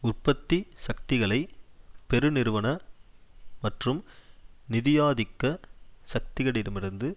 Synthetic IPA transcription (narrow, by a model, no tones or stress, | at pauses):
ʊrpːɐt̪ːisɐkt̪ɪɣɐɭɐɪpɛɾɯnɪɾɯʋɐnɐ | mɐʈrɯmnɪðɪjaːðɪkːɐsɐk̚t̪ɪɣɐɽɪɾɯmɪɾɯnd̪ɯ